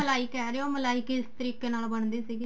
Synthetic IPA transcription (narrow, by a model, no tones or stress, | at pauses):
əlaːɪkɛːɾeoːməlaːɪkɪst̪əɾiːkeːnaːlbəɳd̪iːsiːɡiː